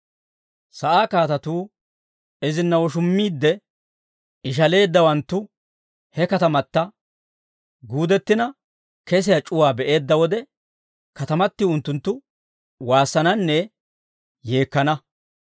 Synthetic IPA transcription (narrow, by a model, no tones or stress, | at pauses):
sɐʔaːkaːt̪ɐt̪uː | ɛzɪnːɐwɔʃ̬ʊmːiːd̪ːɛ | ɪʃ̬ɐle̞ːd̪ːɐwɐnt̪ːʊ | hɛkɐt̪ɐmɐt̪ːɐ | ɡuːd̪ɛt̪ːɪnɐ | kɛs̬ɪjat͡ʃʼʊwaːbɛʔe̞ːd̪ːɐwɔd̪ɛ | kɐt̪ɐmɐt̪ːɪʊnt̪ːʊnt̪ːʊ | waːsːɐnɐnːɛ | je̞ːkːɐnɐ